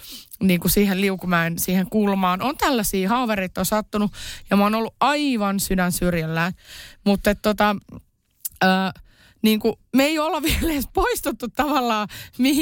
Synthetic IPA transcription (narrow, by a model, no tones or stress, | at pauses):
niːŋkusiːhelliukumæːnsiːheŋkulmɑːnont̪ælːæsiːhɑːʋereit̪ːonsɑt̪ːunujɑmoːnolːuʔʔɑiʋɑnsydænsyrjælːæːnmut̪ːet̪t̪ot̪ɑ | əː | niːŋkumeiolːɑʋieleːspoist̪ut̪ːut̪tɑʋɑlːɑːmih